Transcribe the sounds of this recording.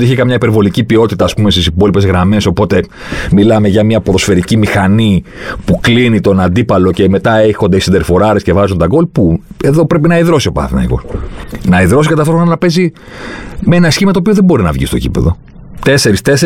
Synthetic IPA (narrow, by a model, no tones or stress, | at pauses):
iiçekɐmɲɐipe̞ɾvo̞licipio̞t̪it̪ɐːspume̞st̪isipo̞lipe̞zɣɾɐme̞so̞po̞t̪e̞ | milɐme̞ʝɐmiɐpɾo̞sfe̞ɾicimixɐnipuklinit̪o̞nɐnd̪ipɐlo̞ce̞me̞t̪ɐexo̞nd̪esind̪eɾfo̞ɾɐɾesce̞vɐzund̪ɐɡo̞lpue̞ðo̞pɾe̞pinɐiðɾo̞siopɐ̰θimɐ̰eɣo̰nɐiðɾo̞sikɐt̪ɐft̪ooonɐnɐpe̞zi | meenɐsçimɐtoːpioðebo̞ɾinɐvʝḭst̪o̞̰cḭpe̞̰ðo̞̰ | t̪e̞se̞ɾist̪ese